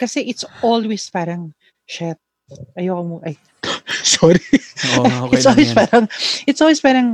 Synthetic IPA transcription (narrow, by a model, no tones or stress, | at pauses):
kɐsɛʔɪt̪sʔolwɛspaːɾɐŋ | ʃɛt̪̚ | ʔɐjokɐmoʔɐj | sɔɾiɐjɪsʔolwɛspaːɾɐŋʔɪt̪sʔolwɛspaːɾɐŋ